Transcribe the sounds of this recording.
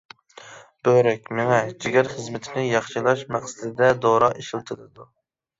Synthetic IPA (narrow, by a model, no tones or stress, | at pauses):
b̥øɾɛkʲmɪŋɛd͡ʒiɡʲæɾχəzmɪt̪ʰɪnɪjɑχʃilˠɑʃmæχsɪd̪ɪd̪ɛd̪oɾɑʔeʃilˠt̪ʰɨlɨd̪u